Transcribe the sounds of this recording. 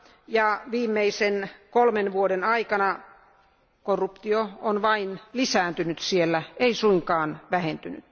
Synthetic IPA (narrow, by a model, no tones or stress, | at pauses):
jɑʋiːmːeisenkolmenʋuodenɑikɑnɑ | korːupt̪ioonʋɑinlisæːnt̪ynyt̪sielːæeisuiŋkɑːnʋæhent̪yny̰t̪